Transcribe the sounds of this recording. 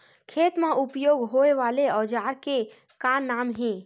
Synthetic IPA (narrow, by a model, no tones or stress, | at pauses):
kʰeːt̪mãʊpjoːɡɦoːeʋaːleɔːd͡ʒaːɾke | kanaːmɦɛ̃ː